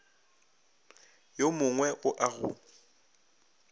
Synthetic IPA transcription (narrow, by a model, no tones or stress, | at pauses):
jomʊŋwɛʔʊʔaɣʊ̰